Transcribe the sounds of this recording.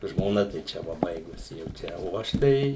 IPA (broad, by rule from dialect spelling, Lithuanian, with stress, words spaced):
ʒmoːˈnɐ tɐɪ ˈt͡ʃʲɛ ˈʋɐ ˈbɐɪɡʊsʲɪ jɛʊ ˈt͡ʃʲɛ oː ˈɐʃ ˈtɐɪ